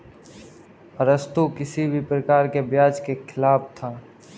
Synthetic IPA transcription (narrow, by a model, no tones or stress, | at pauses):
ɾəst̪ukɪsibʱipɾəkaːɾkebjaːd͡ʒkekʰɪlaːpt̪ʰaː